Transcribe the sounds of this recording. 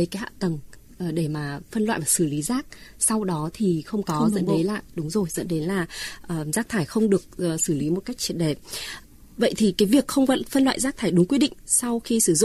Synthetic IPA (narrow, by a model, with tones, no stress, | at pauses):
ə˨˦jka˨˦ɦa̰ː˧˨t̪ə˨˩ŋ | ʔəː˨˩ɗe˧˩maː˨˩fə˧nla̰ː˧˨jvaː˨˩sɨ˧˩li˨˦zaː˦˥k̚sa˧wɗɔ˨˦t̪ʰi˨˩xə˧wŋ͡mkɔ˨˦zə̰˧˥nɗə˨˦jlaː˧˨˩ɗʊ˨˦ŋ͡mzo˨˩jzə̰˧˥nɗe˨˦nlaː˨˩ʔəː˨˩zaː˦˥t̪ʰaː˧˩jxə˧wŋ͡mɗɨ˨˩ək̚ːsɨ˧˩li˨˦mo˨˩t̚ka˦˥jk̚t͡ɕi˧˩ənɗe˧˩ | və̰˧˨jt̪ʰi˨˩kaː˨˦jvi˨˩əkxə˧wŋ͡mvə̰˧˨nfə˧nlwa̰ː˧˨jzaː˦˥t̪ʰaː˧˩jɗʊ˨˦ŋ͡mkwi˧ɗḭ˧˨ŋ̟sa˧wxi˧sɨ˧˩zʊ̰˧˨ŋ͡m